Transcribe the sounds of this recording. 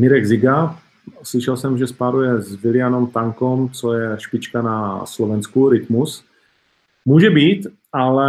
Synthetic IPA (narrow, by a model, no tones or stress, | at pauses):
mɪɾɛɡzɪɡa | slɪʃɛlsɛmʒɛspaɾujɛzvɪlɪjanomt̪aŋkomt͡sojɛʃpɪt͡ʃkanaslovɛnskuɾɪt̪mus | muːʒɛbiːt̪ | ʔalɛ